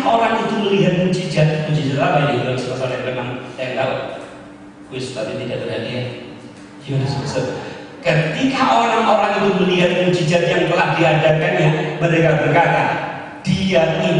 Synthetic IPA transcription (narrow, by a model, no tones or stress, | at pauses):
ʔoɾaŋit̪uməliɦat̪̚mut͡ʃid͡ʒat̪̚mud͡ʒid͡ʒat̪̚lamaadid̪aisəpasalt̪ɛndəmant̪ɛnt̪aʊ | kwɪst̪apit̪idaʔbəɦat̪iat̪ | jadasmasət̚ | kət̪ikaʔoɾaŋoɾaŋit̪uməliɦat̪̚mut͡ʃid͡ʒat̪̚jaŋt̪əlahdiadakanjaməɾekabərkat̪a̰ | d̥iat̪̚i